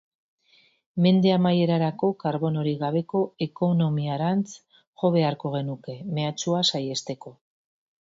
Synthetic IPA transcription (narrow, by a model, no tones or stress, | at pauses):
me̞nd̪e̞amaje̞ɾaɾako̞kaɾβo̞no̞ɾiɣaβe̞ko̞eko̞no̞miaɾant͡s | ʝo̞βe̞aɾko̞ɣ̞e̞nuke̞me̞at͡ʃuasaje̞st̪e̞ko̞